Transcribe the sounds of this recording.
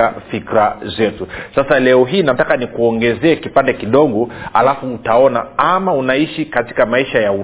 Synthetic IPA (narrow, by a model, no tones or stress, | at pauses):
afikɾazɛtusasalɛɔɦiːnatakanikuɔŋɡɛzɛːkipandɛkiɗɔɠɔalafuːtaɔnaamaunaiʃikati̥kamaiʃajau